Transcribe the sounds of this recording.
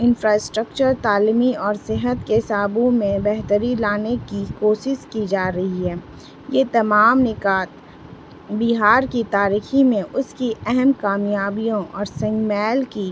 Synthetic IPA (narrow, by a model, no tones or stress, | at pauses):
ɪ̃nfɾaːsʈɾək̚t͡ʃəɾt̪aːlimiɔːɾsɪɦət̪kesaːbõmẽbɛɦt̪əɾilaːnekikoːʃɪʃkid͡ʒaːɾɐɦiɦɛː | jet̪ɐmaːmnɪkaːt̪̚ | bɪɦaːɾkit̪aːɾiːximẽʔʊskiɛɦɛmkaːmjaːbijõʔɔːɾsɐ̃ŋɡmɛːlki